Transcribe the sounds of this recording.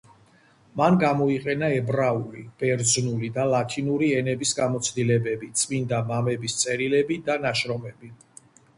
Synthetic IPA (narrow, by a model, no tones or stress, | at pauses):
manɡamɔiqʼɛnaɛbɾaulib̥ɛɾd̪znulid̪alˠat̪ʰinuɾiɛnɛbisɡamɔt̪sʰd̪ilɛbɛbit̪sʼmind̪amamɛbist̪sʼɛɾilɛbid̪anaʃɾɔmɛbi